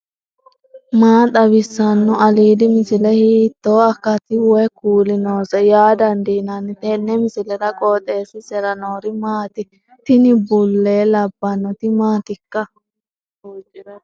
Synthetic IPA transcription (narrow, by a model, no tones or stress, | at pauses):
maːt̪ʼɐbɪsːɐnːɔɐliːd̪ɪmɪsɪlɛhiːt̪ːoːɐkːɐt̪ɪwɔkuːlɪnoːsɛjaːd̪ɐnd̪iːnɐnːɪt̪ɛnːɛmɪsɪlɛd̪ɐkʼɔːt̪ʼeːsɪsɛɾɐnoːɾɪmaːt̪ɪ | t̪ɪnɪbʊlːeːlɐbːɐnːɔt̪ɪmaːt̪ɪkːɐ